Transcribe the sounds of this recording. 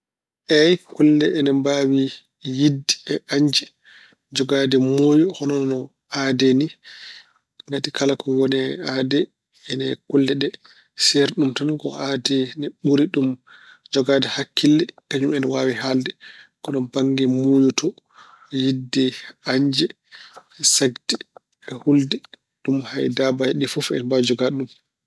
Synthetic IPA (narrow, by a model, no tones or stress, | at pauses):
ʔɛjkulːɛʔɛnɛmbawi | jidːɛɛaɲd͡ʒɛ | d͡ʒɔɡadɛmojuhɔnɔnɔ | adɛni | ŋɡatikalakɔwɔnɛadɛː | nɛkulːɛɗɛ | sɛɾɗumtɔnkɔ̰ʔadɛnɛɓuɾiɗum | d͡ʒɔɡadahakːilːɛkaɲumɛnwawiɦaldɛkɔnɔbaŋɡɛmujutɔ | jidːɛaɲd͡ʒɛ | ɛsaɡdɛ | ɛhuldɛ | ɗumhajdabajɛɗifɔfɛ̰nbad͡ʒɔɡadɗum